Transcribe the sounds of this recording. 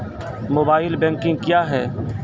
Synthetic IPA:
moːbaːɪlbɛ̃ːŋkɪ̃ŋɡkjaːɦɛː

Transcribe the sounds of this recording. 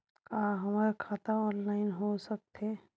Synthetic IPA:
kaːɦɐmaːɾekʰaːt̪aɔːnlaːɪnɦosɐk̚t̪e

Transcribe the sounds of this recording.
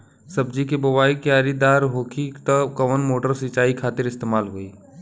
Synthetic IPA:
səbd͡ʒikebɐʋaːikjaːɾid̪aːɾɦoːkʰit̪əkɐʋənmoːʈəɾsɪt͡ʃaːikʰaːt̪ɪɾɪst̪eːmaːlɦoːiː

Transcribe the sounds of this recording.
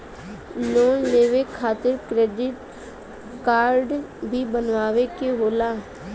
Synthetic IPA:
nɔːleːʋekʰaːt̪əɾkɾeːɖɪʈ | kaːɾɖbʱiːbənʋaːʋeːkeɦoːlaː

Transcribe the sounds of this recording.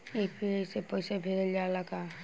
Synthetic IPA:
epiejsepɔjsebʱeɾəld͡ʒalaɡa

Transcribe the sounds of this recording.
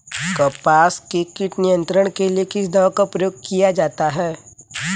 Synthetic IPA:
kɐpaːskekɪʈnijə̃nt̪ɾəɽ̃kelijekɪsd̪ɐʋ̃kapɾəjoːɡ̚kijad͡ʒaːt̪aɦɛː

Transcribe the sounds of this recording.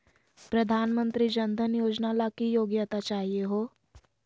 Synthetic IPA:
pɾɐd̪ʱaːnmə̃nt̪ɾid͡ʒənd̪ʱənjoːd͡ʒnalakijoːɡjət̪at͡ʃaːɦieɦoː

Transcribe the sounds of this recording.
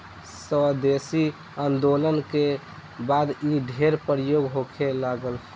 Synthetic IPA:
səd̪esi | ənd̪olənke | bad̪iɖʱeɾpəɾjoɡɦokʰelaɡəl

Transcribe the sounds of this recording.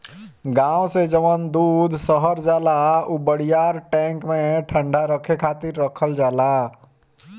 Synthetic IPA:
ɡãːwsed͡ʒəʋənd̪uːd̪ʱsəɦəɾd͡ʒaːlaubəɽ̤ijaːɾʈɛ̃ːŋkmẽʈʰə̃ɳɖaɾəkʰekʰaːt̪ɪɾːəkʰəld͡ʒaːla

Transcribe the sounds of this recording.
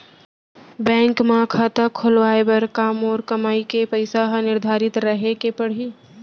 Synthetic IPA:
bɛ̃ːŋkmãːkʰat̪əkʰːʊlʋaːebəɾkaːmɔːɾkɐmaːikepəɪsaɦnɪɾd̪ʱaːɾɪt̪ɾəɦekepɐɽ̤i

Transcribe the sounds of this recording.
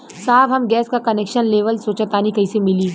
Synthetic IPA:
saːbɦɐmɡɛːskakɐneːkʃənleːʋəlsoːt͡ʃət̪aːnikɐisemɪli

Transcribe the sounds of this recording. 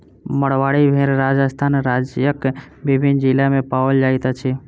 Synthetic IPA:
məɽʋaɽibʱeɾɾad͡ʒəst̪ʰanɾad͡ʒjəkbibʱind͡ʒilamẽpaʋəld͡ʒajt̪at͡ʃʰi

